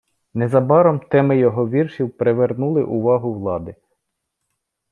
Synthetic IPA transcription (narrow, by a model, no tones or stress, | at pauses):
nɛzɐbɑɾɔmt̪ɛmɪjɔɦɔʋʲirʃiwpɾeʋernulˠɪʔʊʋɑɦʊwlˠɑd̪ɪ